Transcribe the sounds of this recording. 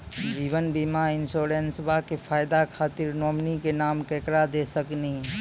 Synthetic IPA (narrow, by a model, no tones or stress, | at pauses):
d͡ʒiːʋənbimaɪnsoːɾeːnsəbʱakepʰaːɪd̪akʰaːt̪ɪɾnɔːmnikenaːmkɛːkɾad̪esəknəɦĩ